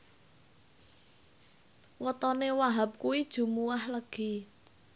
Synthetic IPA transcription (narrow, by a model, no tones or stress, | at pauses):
wɔt̪ɔnewaɦap̚kuwid̥ʒ̥ṳmuwahləɡ̥i